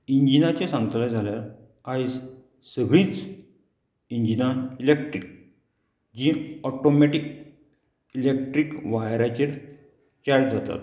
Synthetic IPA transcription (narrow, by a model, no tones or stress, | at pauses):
iɲd͡ʑinat͡ɕẽsãŋɡət̪lad͡zʱaljaɾ | ajs | səɡɭĩːt͡s | iɲd͡ʑinailekʈɾik̚ | d͡ʑĩɔʈomeʈik | ilek̚ʈɾikʋajɾat͡ɕeɾ | t͡ɕaʈd͡zat̪a̰t̪